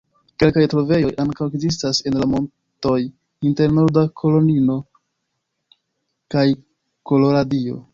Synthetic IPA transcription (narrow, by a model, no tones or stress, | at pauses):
ke̞lkajtɾove̞jo̞jʔaŋkaweɡzis̬tase̞nlamo̞n | to̞j | inte̞ɾno̞ɾdakʰo̞lo̞nino̞ | kaj | ko̞lo̞ɾadio̞̰